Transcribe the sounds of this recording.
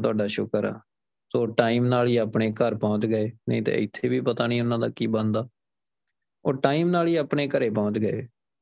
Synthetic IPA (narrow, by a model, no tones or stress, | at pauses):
t̪ʊaːɖaːʃʊkəɾa̰ː | soːʈaːiːmnaːliːaːpɳeːkəɾpɔ̃ːt͡ʃɡəeːnəĩːt̪ːɪt̪ʰːeːbiːpət̪aːnĩːʊnãːd̪aːkiːbənd̪aː | oːɾʈaːiːmnaːliːaːpɳeːkəɾeːpɔ̃ːt͡ʃɡəḛː